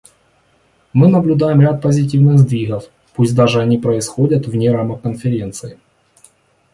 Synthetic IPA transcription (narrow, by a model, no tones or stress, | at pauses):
mɨnəblʲʊd̪ajɪmɾʲat̪̚pəzʲɪt̬ʲivnɨɣzd̪vʲiɣəf | pusʲd̪aʐɨɐnʲipɾəɪsxodʲɐt̪vnʲeɾamɐkənfʲɪɾʲe̞nt̪sɨɪ